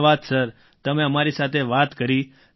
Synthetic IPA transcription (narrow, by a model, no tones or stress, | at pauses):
ʋad̪səɾ | t̪əmẽəmaɾisat̪ʰeʋat̪kəɾi